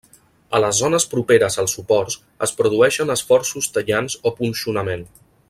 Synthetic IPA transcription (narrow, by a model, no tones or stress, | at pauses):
ələzːɔnəspɾupeɾəzəlˠsupɔɾs | ə̰spɾuðuɛʃənəsfɔrsust̪əʎanzopunsiunəmen